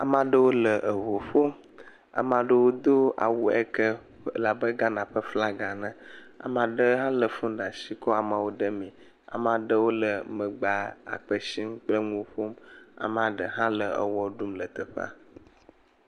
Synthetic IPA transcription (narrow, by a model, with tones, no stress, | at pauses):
a̰˨mã˦ɖə˦wo˦lə˨ʔə˨vo˨ɸo˦m | a̰˨mã˨ɖə˦wo˦d̪o˦a̰˨wu˦ɛ̰˦kə˦ | la˨bə˦ɡa˦nã˨ɸə˦fla˦ɡa˨nə̃˨ | a̰˨mã˨ɖə˦ɦã˦lə˨fũ˦ɖa˨si˦kɔ˦a˨mã˨wo˦ɖə˦mĩ˨ | a̰˨mã˨ɖə˦wo˦lə˨mə̃˨ɡ͡ba˨a̰˨k͡pə˨ʃi˦m˦k͡plə˦ŋũ˦ɸo˦ma̰˨m˦ã˨ɖə˨ɦã˦lə˨ə̰˨wɔ˦ɖu˦mlə˨t̪ə˨ɸa̰˦